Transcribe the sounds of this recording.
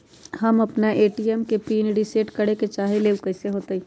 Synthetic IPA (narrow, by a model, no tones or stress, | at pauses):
ɦɐmɐpnaʔeːʈiɛmkepiːnɖiseːʈkɐɽeket͡ʃaːɦeleːwkɐɪseɦoːt̪aĩ